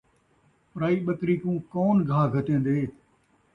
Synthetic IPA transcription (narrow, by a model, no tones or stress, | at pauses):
pɾaːiːɓəkɾiːkũːkɔːnɡʱaːɡʱət̪ẽːn̆d̪eː